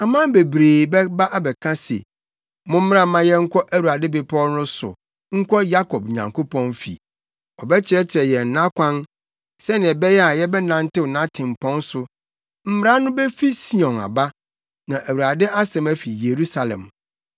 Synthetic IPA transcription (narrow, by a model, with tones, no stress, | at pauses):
a˨mã˦be˨bɾeː˨bɛ˦ba˦ʔa˦bɛ˨kʰã˦sḛ˨ | mʊ̃˦m̩˦m˦ã˦mã˦jɛ˦ŋ̩˦kʰɔ˦ʔæ˦wu˨ɾa˨dɪ˦be˨pʰɔ˦nʊ̃˦sʊ̰˨ | ŋ̩˦kʷʰɔ˦ja˦kʰɔ˨b̚ɲã˨ŋko˦pʰɔ̃˦nfḭ˨ | ɔ˨bɛ˦t͡ɕʰɪ˦ɾɛ˦t͡ɕʰɪ˨ɾɛ˨jɛ˨n̩˨nã˦kʰʷã˦n | sɛ˦nɪ̃˨ɛ˨bɛ˦jɛ˦a˨jɛ˦bɛ˦nã˨n̩˦tɪ˦wʊ˨nã˦tʰɪ̃˨m̩˨pʰɔ̃˦n˦sʊ˨ | m̩˦m˦˨ɾa˦nʊ̃˦bɛ˦fi˦si˦˨ɔ̃˨na̰˨ba˦ | nã˨ʔæ˨wu˨a˨dɪ˦ʔa˦sɛ̃˨mæ˦fi˨je˨ɾu˦sa˨lɛ̰̃˨m